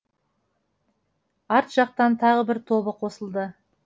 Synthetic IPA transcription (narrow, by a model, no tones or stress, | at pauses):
ɑɾt̪ʒ̥ɑq̚t̪ɑnt̪ʰɑʁəbɪɾt̪ʰo̞βəqʰo̞səlˠd̪ə